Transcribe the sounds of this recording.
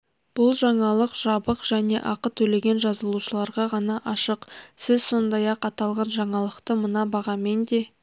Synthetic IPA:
b̥ʊlˠʒɑɴɑlˠəqʒ̥ɑbəqʒ̥æne̞̰ʔɑqət̪ʰːɵle̞ɡʲe̞nʒɑzəlˠuʃəlˠɑɾʁɑʁɑnɑʔɑʃəqsɪzso̞nd̪ɑjɑqɑt̪ɑlˠʁɑnʒɑɴɑlˠəqt̪əmənɑbɑʁɑme̞nd̪e̞

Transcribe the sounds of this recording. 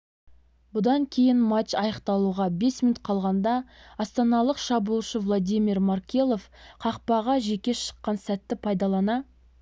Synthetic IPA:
bʊd̪ɑŋkʲʰe̞jɪnmat̪ʃɑjəqt̪ɑlˠuʁɑbe̞sminut̪̚qʰɑlˠʁɑnd̪ɑɑst̪ɑnɑlˠəqʃɑbulˠʃəvlˠod̪ʲijmʲirmarkʲelˠo̞fqʰɑqpɑʁɑʒe̞kʲe̞ʃə̥qːɑnsæt̪ːɪpʰɑjd̪ɑlˠɑnɑ

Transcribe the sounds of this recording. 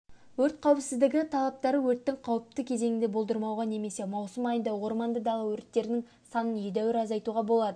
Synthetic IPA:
wɵɾt̪̚qʰɑwəpsɪzd̪ɪɡʲɪt̪ʰɑlˠɑp̚t̪ɑɾəwɵɾt̪ːɪŋqʰɑwəp̚t̪əkʲʰe̞ze̞ŋɪnd̪e̞bo̞lˠd̪əɾmɑwʁɑne̞me̞se̞mɑwsəmɑjənd̪ɑwo̞ɾmɑnd̪əd̪ɑʁˠəwɵɾt̪ːe̞ɾɪnɪŋ | sɑnənjed̪æwɪɾɑzɑjt̪uʁɑbo̞lˠɑd̪ə

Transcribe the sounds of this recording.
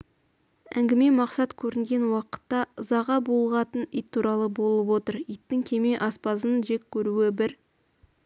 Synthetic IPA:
æ̰ŋɡʲɪme̞mɑqsɑt̪kʲʰɵɾɪŋɡʲe̞nwɑqə̥t̪ːɑəzɑʁɑbolˠʁɑt̪ənijt̪ʰːuɾɑlˠəbo̞lˠəpwo̞t̪əɾijt̪ːɪŋkʲʰe̞me̞ʔɑspɑzənʒe̞kʲʰːɵɾuɪbɪɾ

